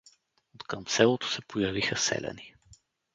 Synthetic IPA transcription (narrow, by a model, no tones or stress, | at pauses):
ot̪kəmsɛlˠot̪o̥sɛpojɐvixəsɛ̰lʲɛ̰ni